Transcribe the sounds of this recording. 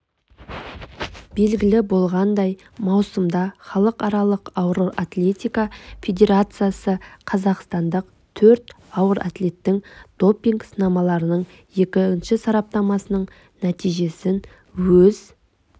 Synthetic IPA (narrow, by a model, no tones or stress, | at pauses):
b̥e̞lɡʲɪlɪbo̞lˠʁɑnd̪ɑj | mɑwsəmd̪ɑχɑlˠəqɑɾɑlˠəqɑwəɾoʔat̪lʲe̞t̪ʲijkafʲe̞d̪ʲe̞ɾat̪sɨjasəqʰɑzɑqst̪ɑnd̪əq | t̪ʰɵɾt̪ | ɑwəɾʔa̰t̪le̞t̪ːɪŋd̪̥o̞pːiŋɡsənɑmɑlˠɑɾənəɴ | je̞kʲɪɪnʃɪsɑɾɑp̚t̪ɑmɑsənəɴ | næt̪ijʒe̞sɪn | wɵz